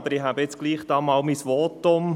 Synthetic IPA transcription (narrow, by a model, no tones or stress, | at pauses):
b̥əɾɪɦabəɪt͡sɡ̥liːχd̥̪ɑːmɑːlmisʋɔːtʊm